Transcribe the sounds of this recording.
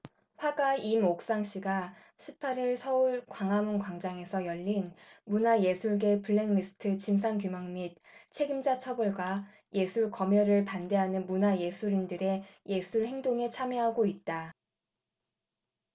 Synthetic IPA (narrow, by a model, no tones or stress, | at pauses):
ɸwaɡaimok̚s͈aŋɕ͈iɡa | ɕʰipʰaɾiɭsʰʌuɭkwaŋɦamɯnkwaŋd͡ʑaŋe̞sʰʌjʌʎːinmunaje̞sʰuɭɡe̞puɭːeŋmisʰɯ̥tʰɯt͡ɕinsʰankjumaŋmit̚ | t͡ɕʰe̞ɡimd͡ʑat͡ɕʰʌbuɭɡwa | jʔe̞sʰuɭkʌmjʌɾɯɭpande̞ɦanɯnmunaje̞sʰuɾindɯɾe̞je̞sʰuɭhe̞ŋdoŋe̞t͡ɕʰamjeɦaɡoit̚t͈a